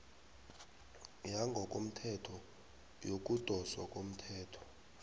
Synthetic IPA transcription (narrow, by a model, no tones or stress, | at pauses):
jaŋɡʱɔkʼom̩tʰɛtʰɔ | jok̬ʼud̥ʱɔswa̰kʼom̩tʰɛːtʰɔ̥